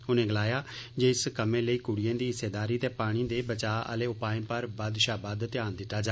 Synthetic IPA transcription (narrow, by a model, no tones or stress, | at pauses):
ʊnẽːɡəlaːjaːd͡ʒeːɪskəmẽːləiːkʊɽɪjãːd̪iːɪst̪eːd̪aːɾiːt̪eːpaːɽ̃iːd̪eːbət͡ʃaːʔə̰leːʊpaːɪ̃ːpəɾbəd̪ʃaːbad̪t̪ɪjaːnd̪ɪt̪ːaːd͡ʒaː